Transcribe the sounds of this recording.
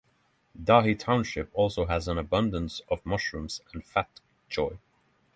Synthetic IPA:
dɑɦitʰãʊ̃nʃɪpɔlˠsoʊəzə̃nəbʌ̃ndə̃nsʌvmʌʃɹɨ̃mz̥ə̃nfæt | ʒ̥ɔɪ

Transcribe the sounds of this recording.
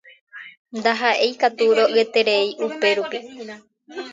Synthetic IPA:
nd̪aɦaʔe̞jkat̪uɾo̞ʔɨet̪e̞ɾe̞iʔupe̞ɾupi

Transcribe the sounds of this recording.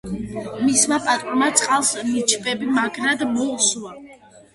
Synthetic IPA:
mismapʼat̪ʼuɾmat̪sʼqʼalˠsnit͡ʃʰʼbʼɛbimaɡɾad̪mɔusuwa

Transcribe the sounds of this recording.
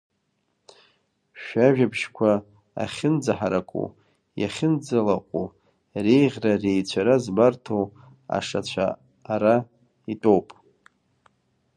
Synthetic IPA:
ʃᶣaʒᶣabʃkʷʰa̰ː | χʲɪnd͡zaħaɾakʷʼṵ | ja̰χʲɪnd͡zalaqʷʼu | rejʁʲrarejt͡ɕʷʰaɾazbartʰow | a̰ʂat͡ɕʷʰa̰ː | ɾa | itʼowpʼ

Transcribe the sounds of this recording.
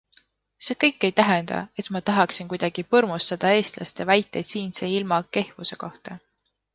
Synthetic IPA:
se̞ːkɤjkːˑe̞jt̪æɦend̪ɑ̰e̞t̪mɑt̪ɑɦɑksinkujd̪ɑɡ̥ipɤrmust̪ɑd̪̥ɑe̞ːst̪lɑ̰st̪evæjt̪ːˑe̞jd̪siːnse̞ːilmɑke̞hvuse̞ko̞ht̪ɑ

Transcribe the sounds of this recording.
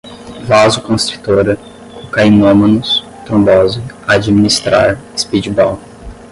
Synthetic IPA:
vazʊkõst̪ɾi̥t̪oɾɐ | kokajnõmɐ̃nʊs | t̪ɾõbɔzɪ | ad͡ʒiminist̪ɾa̰ɾɪspid͡ʒibaw

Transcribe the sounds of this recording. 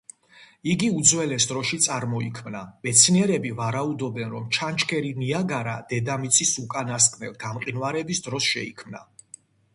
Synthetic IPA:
iɡiud̪zwɛlɛsd̪ɾɔʃit̪sʼaɾmɔikʰmnamɛt̪sʰniɛɾɛbivaɾaud̪ɔbɛnɾɔmt͡ʃʰant͡ʃʰkʰɛɾiniaɡaɾa̰d̪̥ɛd̪amit̪sʰisukʼanaskʼnɛ̰lˠɡ̪amqʼinwaɾɛbisd̪ɾɔsʃɛ̰ḭkʰmna̰

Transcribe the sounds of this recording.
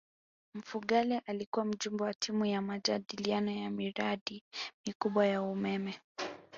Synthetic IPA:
m̩fuɠalɛʔalikuwam̩d͡ʒumbɔwatʰimujamad͡ʒaɗilianɔjamiɾaɗimikuɓwajaumɛmɛ

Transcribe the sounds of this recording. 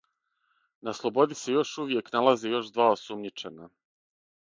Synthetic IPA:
naslˠo̞bo̞d̪ise̞jo̞ʃuʋje̞knalazejo̞ʃd̪ʋaːosumɲit͡ʃe̞na

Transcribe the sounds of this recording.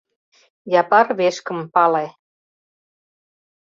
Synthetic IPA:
jɑpɑrβeʃkə̆mpɑle

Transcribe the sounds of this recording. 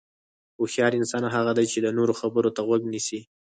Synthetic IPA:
oxjɑɾɪnsɑnaɦaɣad̪ajt͡ʃed̪anoɾoxabəɾot̪aɣwaɡnisi

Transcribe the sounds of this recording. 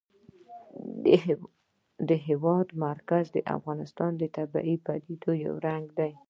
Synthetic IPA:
d̪əɦɪwɑd̪maɾkazd̪əʔa̰fɣɑnɪst̪ɑnd̪ət̪aba̰ʔipad̪ed̪oja̰wɾaŋɡd̪aj

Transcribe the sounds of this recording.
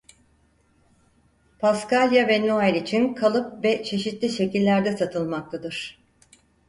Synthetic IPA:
pʰaskalʲjavɛnuajɾʲit͡ʃʰinkʰalˠɯpvɛt͡ʃʰe̞ʃit̪lʲiʃe̞cilʲːæɾd̪ɛsat̪ʰɯlˠmak̚t̪ʰad̪ɯɾ̥

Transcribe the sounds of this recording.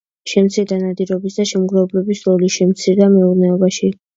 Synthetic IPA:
ʃɛmt̪sʰiɾd̪anad̪iɾɔbisd̪aʃɛmɡɾɛblɛbisɾɔliʃɛmt̪sʰiɾd̪amɛuɾnɛɔbaʃi

